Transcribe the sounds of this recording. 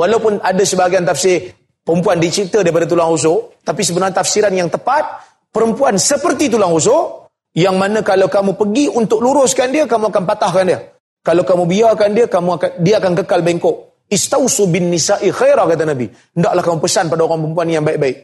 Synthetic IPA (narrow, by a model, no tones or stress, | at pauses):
walawpʊnadasəbaɡaant̪afsɪɾ | pəɾəmpuandit͡ʃit̪ədaɾipadat̪̬ulaŋrus̬ot̪apis̬əbənarɲt̪afsiɾanjaŋt̪əpat̪̚ | pəɾəmpuansəpərt̪it̪̬ulaŋrus̬o | jaŋmanəkalawkamupəɡiunt̪ʊk̚luɾʊskandiəkamuakanpat̪ahkandiə | kalawkamubiakandiəkamuakandiəakankəkalbaiŋkoʔ | ɪst̪awsubɪnːisaʔixajɾakat̪̬anabḭ | əndaʔlahkamupəsanpadaoɾaŋpəmpuanjaŋbaiʔ̚baɪʔ̚